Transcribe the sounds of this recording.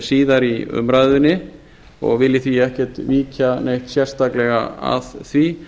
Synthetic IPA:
siːðaɾiʏ̰mɾajðʏnːɪ | ɔ̰ɣvɪlːɪθviɛhcɛɾ̥t̪viːcʰanejht̪sjɛr̥st̪aklɛɣaa̰ðθvi

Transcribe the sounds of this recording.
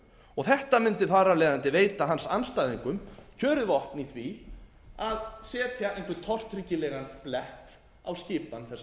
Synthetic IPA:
ɔɣθɛht̪amʏnt̪ɪθaɾalɛːðant̪ɪveːjt̪aɦansanːst̪ajðiŋkʏmcʰœːɾʏðvɔht̪niθvi | aðsɛːt̪ʰjaejnkvɪt̪ʰɔr̥t̪ʰɾɪcɪlɛːɣanplɛht̪ | a̰wscɪːpanθɛsː

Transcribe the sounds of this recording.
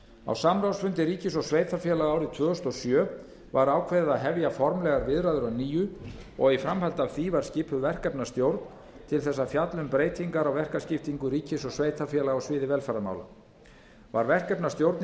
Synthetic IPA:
a̰wsamɾawsfʏnt̪ɪɾiːcɪsɔɣsveːjt̪ʰafjɛlaɣaːwɾɪt̪ʰvœːɣʏst̪ɔsjœː | vaɾaːwkʰvɛðɪðaðɦɛvjafɔɾmlɛɣaɾvɪðɾaðʏɾawniːjʏ | ɔɣifɾamhalt̪avθivaɾ̥scɪːpʰʏvɛr̥kɛpnast̪jowɾt̪n | t̪ʰɪlθɛsːafjat̪lʏmpɾeːjt̪ʰiŋkaɾawvɛr̥kascɪft̪iŋkʏɾiːcɪsɔɣsveːjt̪ʰafjɛlaɣawsvɪːðɪvɛlfɛɾama̰wla̰ | va̰ɾvɛr̥kɛpnast̪jowɾt̪n

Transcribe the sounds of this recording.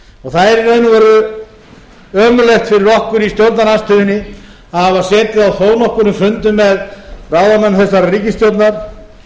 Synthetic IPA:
ɔɣθaðɛɾɪneːjnʏvɛːɾʏ | œːmʏlext̪fɪɾɪɾɔhkʏɾist̪jowt̪naɾnanst̪ʏːðɪnːɪ | avasɛːt̪ɪawθoːwnɔhkʏɾnʏmfʏnt̪ʏmːɛðrawðamɛnːθɛsːaɾariːcɪst̪jowt̪naɾ̥

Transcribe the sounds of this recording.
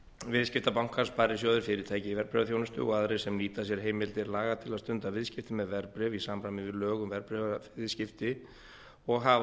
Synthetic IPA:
vɪðscɪft̪apawŋ̥kʰaɾ̥spaːɾɪ̥sjoːðʏɾfɪːɾɪɾ̥t̪ʰaːjcɪivɛɾpɾɛvaθjownʏst̪ʏ̰ɔɣaðɾej̥sɛmliːt̪asjɛɾ̥ɦeːjmɪtlt̪ɪɾlaːɣat̪ʰɪlaðst̪ʏnt̪avɪðscɪft̪ɪmɛðvɛɾpɾɛvisaːmɾajmɪvɪðlœːɣʏmvɛɾpɾɛvɪðscɪft̪ɪ | ɔɣɦa

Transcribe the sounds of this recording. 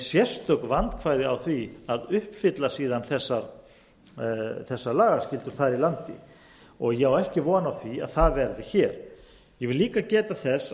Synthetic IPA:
sjɛ̥st̪œk̪vant̪kʰvaːjðɪawθviaðʏhpfɪt̪lasiːðanθɛsːaɾ | θɛsːaɾlaːɣḁscɪlt̪ʏɾ̥θaɾilant̪ɪ̰ | ɔɣjɛawɛhcɪvɔːnawθvia̰ðθaðvɛɾðɪçɛɾ̥ | jɛvɪliːkacɛːt̪aθɛs

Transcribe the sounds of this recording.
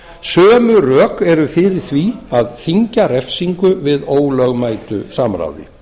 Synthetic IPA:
sœːmʏrœːkɛɾʏθɪɾɪɾ̥θviaðθiɲcarɛfsiŋkʏvɪðoːwlœɣmaːjt̪ʏ̰samɾa̰wðɪ̰

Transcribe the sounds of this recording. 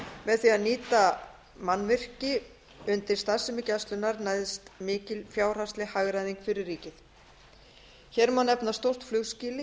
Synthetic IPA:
mɛðθianiːt̪a | manːvɪr̥cɪ | ʏnt̪ɪɾ̥st̪asɛmɪcast̪lʏnaɾnaːjðɪst̪mɪːcɪlfjaːwr̥ast̪lɪhaɣɾajðiŋkfɪɾɪɾːiːcɪθ | çɛɾmanɛpnast̪owr̥t̪flʏɣsciːlɪ

